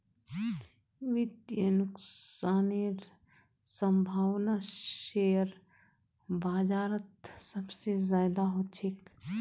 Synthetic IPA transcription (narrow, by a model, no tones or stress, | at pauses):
ʋɪd̪jənʊkaːniɾ | sə̃mbʱaːʋnaʃejəɾ | baːd͡ʒaːɾət̪sɐbsezaːd̪aɦoːt͡ʃʰek